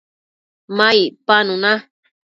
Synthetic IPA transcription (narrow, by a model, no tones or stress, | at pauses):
majpanuna